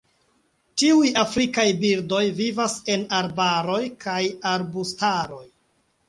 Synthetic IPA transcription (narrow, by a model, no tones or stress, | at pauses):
tiujafɾikajbiɾdo̞jvivase̞naɾbaɾo̞jkʰajaɾbustaɾo̞j